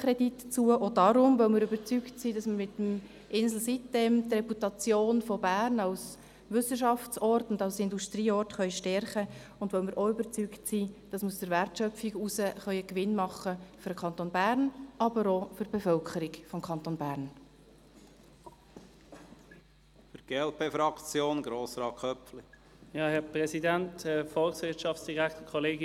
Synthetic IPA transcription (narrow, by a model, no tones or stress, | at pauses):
kɾɛditːt͡suəʔɔdɑɾʊmʋœʊmɪɾøbəɾt͡syktsiːd̥ɑsməɾmɪt̪əm | ʔɪnsl̩sitːeːmtrɛputɑt͡sjoːnfɔbæːrnɑws | ʋʏsəʃɑft͡sɔrtʊndɑlsɪnduʃtɾiːɔrtχœʏʃtɛɾχə | ʊndʋœʊmɪɾʔoʏbəɾt͡syktsiːd̥ɑsmuəsd̥əɾʋærtʃœfiɡusəχœʏəkʋɪnmɑχːəfyɾəkʰɑnt̪oːnbæːɾnʔɑbəɾofʏɾb̥efœlkʰəɾiɡfɔmkʰɑnt̪oːnbæːrn | fʏɾɡ̥eɛlpefɾɑkt͡sjoːnɡɾoːsɾɑːkʰœpli | jɑːhɛpʁɛsidænthɛfɔlksʋɪɐtʃɑftsd̥iʁæktəkʰɔleːɡ